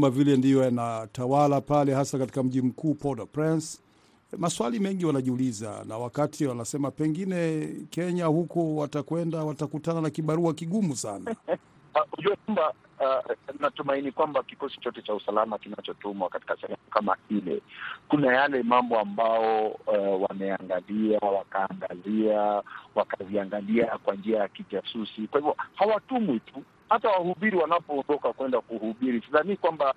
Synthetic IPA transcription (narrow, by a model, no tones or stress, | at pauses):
mavilɛndijɔjanatawalapalɛhasakati̥kam̩ʄim̩kuːpɔdapɾɛns | maswalimɛŋɡiwanaʄiuliza̰na̰wakatʰiwanasɛmapɛŋɡinɛkɛɲahukɔwatakwɛndawatakutananakiɓaɾuakiɠumusana | uʄuakamba | natumainikwambakikɔsi̥t͡ʃɔtɛt͡ʃausalamakinat͡ʃɔtumwakati̥kasɛhɛmukama̰ilɛ̰kunajalɛmambɔambaɔwamɛaŋɡaliawakaːŋɡaziawakaviaŋɡaliakwand͡ʒiajakitasusikwahivjɔhawatumwitu | hatawahuɓiɾiwanapɔːndɔkakwɛndakuhuɓiɾisizanikwamba